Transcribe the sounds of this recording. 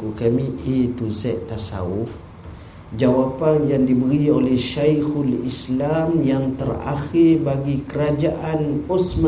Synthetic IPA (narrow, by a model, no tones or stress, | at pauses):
kukamĩʔet̪uzɛʔt̪ːasa̰ʊf | d͡ʒawapanjaŋdibəɾiolɛhʃajxulislamjaŋt̪əɾa̰xɪrbaɡikəɾad͡ʒaʔanosmã